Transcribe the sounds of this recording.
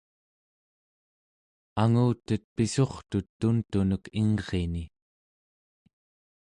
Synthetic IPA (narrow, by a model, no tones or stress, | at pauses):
aŋuːt̪ət̪̚piso̞χt̪ut̪ːunt̪unəkiŋʁeni